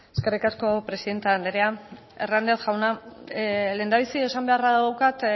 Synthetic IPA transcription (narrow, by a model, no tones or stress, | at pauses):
eske̞rikasko̞pɾe̞siðe̞nt̪eand̪eɾea | e̞rnand̪eθʝawna | le̞ːnd̪aβ̞isiesambe̞araðɣawkat̪